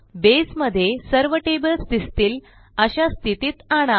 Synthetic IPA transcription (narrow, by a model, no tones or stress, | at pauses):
besməd̪ʱːjesəɾʋəʈebəlsd̪ist̪iːl | əɕast̪ʰit̪iːt̪aɽ̃a